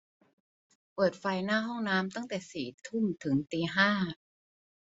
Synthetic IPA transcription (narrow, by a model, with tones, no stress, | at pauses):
pɤː˨˩t̪̚fa˧jnaː˥˩ɦɔ˥˩ŋnaː˦˥mt̪a˥˩ŋt̪ɛː˨˩siː˨˩t̪ʰu˥˩mt̪ʰɯ˩˦ŋt̪iː˧ɦaː˥˩